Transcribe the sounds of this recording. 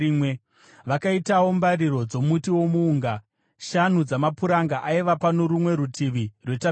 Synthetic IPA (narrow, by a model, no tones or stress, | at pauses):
we | ʋakaitawo̞mbaɾiɾo̞d͡zo̞mutiwo̞muːŋɡa | ʃan̤ud͡zamapuɾaŋɡaʔaiʋapanoɾumwe̞ɾutʰiʋirwe̞ta